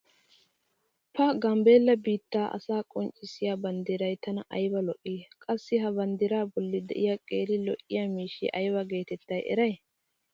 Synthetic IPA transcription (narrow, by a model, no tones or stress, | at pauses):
pɐɡɐmbe̞ːlːɐbiːt̪ːaːʔɐ̰saːkʼɔnt͡ʃʼːɪsɪjabɐnd̪ɪɾɐjt̪ɐnɐʔɐjbɐlɔʔiːkʼɐsːɪɦɐbɐnd̪ɪɾaːbɔlːɪd̪ɛ̰ʔɪjakʼeːɾɪlɔʔːɪjamiːʃːɪ̰ʔɐjbɐɡe̞ːt̪ɛt̪ːɐjʔɛ̰ɾɐj